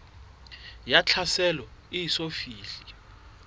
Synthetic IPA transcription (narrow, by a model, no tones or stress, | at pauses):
jat͡ɬʰasɛlɔijisofiːɬi